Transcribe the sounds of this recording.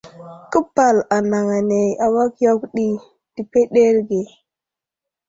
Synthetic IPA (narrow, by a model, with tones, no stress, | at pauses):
kə˦pa˨la˨na˨ŋa˨ne˨ja˨wa˦kjo˦kɗi˦ | d̥i˨pe˦ɗe˦ɾɡe˨